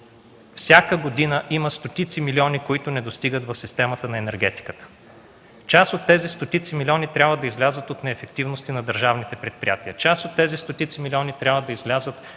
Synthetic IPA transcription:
fsʲjakəɡod̪inəʔiməst̪ot̪it̪similiɔnikoit̪ʊnɛd̪ost̪iɡət̪vɐfsist̪ɛmət̪ənɐɛnɛɾɡɛt̪i̥kə̥t̪ə̥ | t͡ʃasot̪ːɛzist̪ot̪it̪similʲiɔnit̪ɾʲabvəd̪ɐizlʲazət̪ot̪nɛːfɛk̚t̪ivnost̪inɐd̪əɾʒavnit̪ɛpɾɛt̪̚pɾḭjat̪iət͡ʃasot̪ːɛzist̪ot̪it̪similʲiɔnit̪ɾʲabvəd̪ɐizlʲazət̪

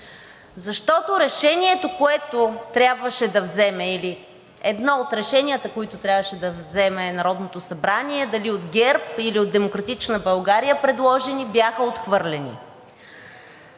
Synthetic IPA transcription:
zɐʃt̪ɔt̪oɾɛʃɛniɛt̪okoɛt̪ot̪ɾʲabvəʃɛd̪ɐvzɛmɛili | ɛd̪nɔot̪ɾɛʃɛniət̪əkoit̪ʊt̪ɾʲjabvəʃɛd̪ɐvzɛmɛnɐɾɔd̪not̪osɐbɾaniɛd̪ɐliod̪ɡʲɛɾpiliod̪ɛmokɾɐt̪it͡ʃnəbɐlˠɡaɾijəpɾɛd̪lˠɔʒɛnibjaxəot̪xvɤɾlʲɛnḭ

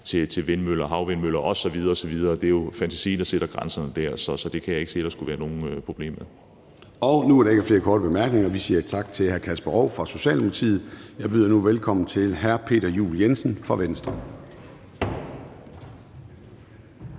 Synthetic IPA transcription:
t͡sʰe̝t͡sʰe̝lʋe̝nmøl̰ɐɦɑ̈ʊʋe̝nmøl̰ɐʔɒ̽sɒ̽ʋið̞ˠɐɒ̽sɒ̽ʋið̞ˠɐːd̥e̝jo̝fænt͡sʰæ̥sḭːnd̥ɑɐse̝ɾ̥ɐɡ̥ʁänsɐnəd̥æɐ̰sɒ̽sɒ̽d̥e̝kʰæjɑ̈e̝ɡ̥se̝̰ːlɐsɡ̥uʋæːɐno̝ːn̩øpʰʁo̝b̥le̝̰ːmeðˠ | ɒʊnuæɐɾɑe̝ɡ̥ɐfle̝ːɐkʰɒːɾ̥əb̥e̝mæɐɡ̥ne̝ŋɐʋisiːɐt͡sʰɑ̈ɡ̥̚t͡sʰe̝lɦæɐkʰæsb̥ɐʁɒʊfʁɑ̈so̝ɕɛ̰ːlnmopʰɐt͡sʰḭːð̞̩ˠjɑ̈ɪb̥yðˠɐnuʋelkʰɒ̽mn̩t͡sʰe̝lɦæɐpʰe̝̰ːdɾɐjṵːljensən̩fʁɑ̈ʋensd̥ʁɐ

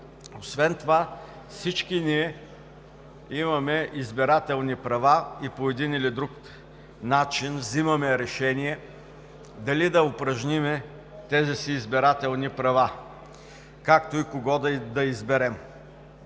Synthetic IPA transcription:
osvɛnt̪ova | fsit͡ʃkiniɛ | imɐmɛʔizbɛɾat̪ɛlˠnipɾɐvaipoɛd̪inilid̪ɾuk | nat͡ʃinvzimɐmɛɾɛʃɛniɛ | d̪ɐlid̪ɐopɾɐʒnimɛ | t̪ɛzisiːzbɛɾat̪ɛlˠnipɾɐva | kakt̪oikoɡɔd̪ɐd̪ɐizbɛɾɛm

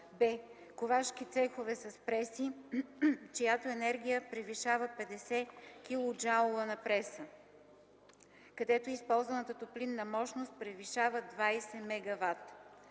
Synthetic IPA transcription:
bɛ | kovaʃk̟it̪sɛxovɛsɐspɾɛsi | t͡ʃijat̪oɛnɛɾɡʲijəpɾɛviʃavəpɛd̪ɛsɛkʲilˠʊd͡ʒalˠovənɐpɾɛsə | kɐd̪ɛt̪oispɔlˠzvɐnət̪ət̪oplinːɐmɔʃnost̪̚pɾɛviʃavəd̪vajsɛmɛɡɐvat̪

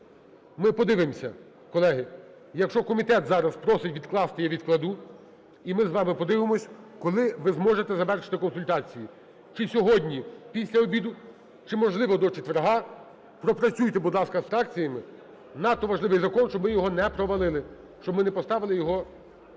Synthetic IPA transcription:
mɪpɔd̪ɪʋɪmsʲɐ̰ | kɔlˠɛɦɪ | jɐkʃt͡ʃɔkɔmʲit̪ɛt̪zɑɾɐspɾɔsɪtʲʋʲid̪klˠɑst̪ɪjɛʋʲid̪̚klˠɐd̪u | imɪzʋɑmɪpɔd̪ɪʋɪmɔsʲkɔlˠɪʋɪzmɔʒet̪ɛzɐʋɛrʃɪ̥t̪ɪkɔnsʊlʲt̪ɑt͡sʲiji | t͡ʃɪsʲɔɦɔdʲnʲipʲisʲlʲɐɔbʲid̪ʊ | t͡ʃɪmɔʒlˠɪʋɔd̪ɔt͡ʃet̪ʋeɾɦɑ | pɾɔpɾɐt͡sʲujt̪ɛbud̪lˠɑskɐsfɾɑk̚t͡sʲijɐmɪ | nɑt̪ːɔʋɐʒlˠɪʋɪjzɐkɔnʃt͡ʃɔbmɪjɔɦɔnɛpɾɔʋɐlˠɪlˠɪ | t͡ʃɔbmɪnɛpɔst̪ɑʋɪlˠɪjɔɦɔ

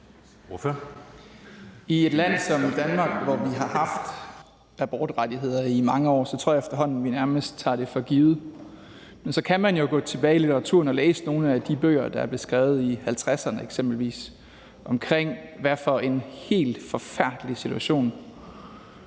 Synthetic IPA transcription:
f | ie̝d̥læn̰sɒ̽md̥ænmɑ̈ːɡ̥ʋɒʋiɦɑ̈hɑ̈fd̥ | æb̥ɒːd̥ʁadiɦe̝ð̞̰ˠɐimɑ̈ŋəɒ̰ːsɒt͡sʰoɐ̰jefd̥ɐɦɒ̽n̰n̩ʋinæɐməsd̥̚t͡sʰɑ̰̈ːɾ̥e̝fɒ̽ɡ̥iːð̩ˠ | mensɒ̽kʰæmænjo̝ɡ̥ɔ̰̽ːt͡sʰe̝b̥ɛːɪilit͡sʰeʁɑ̈t͡sʰṵɐ̰nɒ̽leːsəno̝ːn̩æd̥ib̥ø̰ːɐd̥ɑ̈æɐb̥le̝sɡ̥ʁɛːʊð̞̩ˠihælt͡sʰʁasɐnəeɡ̥sem̰b̥l̩ʋḭːs | ʔɒ̽mkʰʁeŋ̰ʋæɐfɒ̽ʔe̝nhe̝̰ːld̥fɒ̽fæɐ̰d̥əlisit͡sʰuæɕo̝̰ːn

